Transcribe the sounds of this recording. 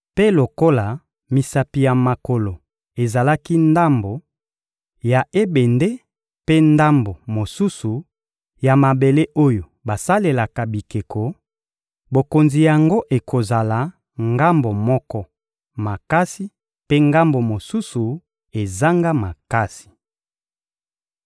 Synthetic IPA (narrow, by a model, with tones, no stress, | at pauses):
pe˦lo˨ko˦la˨ | mi˨sa˨pi˨ja˨ma˨ko˨lo˨ | e˨za˨la˦ki˦nda˦mbo˨ | ja˨ʔe˦be˨nde˦ | pe˦nda˦mbo˨mo˨su˦su˨ | ja˨ma˨be˨le˦ʔo˦jo˨ba˨sa˦le˨la˨ka˨bi˨ke˨ko˨ | bo˨ko˨nzi˨ja˨ŋɡo˦ʔe˨ko˨za˨la˨ | ŋɡa˦mbo˨mɔ˦kɔ˦ | ma˨ka˦si˦ | pe˦ŋɡa˦mbo˨mo˨su˦su˨ | e˨za˦ŋɡa˦ma˨ka˦si̥˨